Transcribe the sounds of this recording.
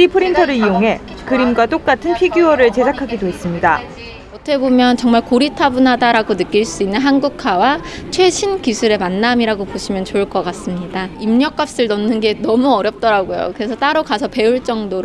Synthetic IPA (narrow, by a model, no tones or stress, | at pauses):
ipʰɯɾintʰʌɾɯɾijoŋɦe̞ | kɯɾimɡwat͈ok͈atʰɯnpʰiɡjuʌɾɯɭt͡ɕe̞sʰakʰaɡidoɦes͈ɯmɲida | ʌt͈ʰʌkʰebomjʌnt͡ɕʌŋmaɭkoɾitʰabunɦadaɾaɡonɯk͈iɭs͈uinːɯnɦanɡukʰawat͡ɕʰwe̞ɕʰinkisʰuɾe̞manːamiɾaɡopoɕʰimjʌnt͡ɕoɭk͈ʌk͈as͈ɯmɲidaimɲʌk͈ap̚s͈ɯɭnʌnːɯnɡe̞nʌmuʌɾjʌp̚t͈ʌɾaɡojo̰kɯɾe̞sʰʌt͈aɾokasʰʌpe̞uɭt͡ɕ͈ʌŋdoɾ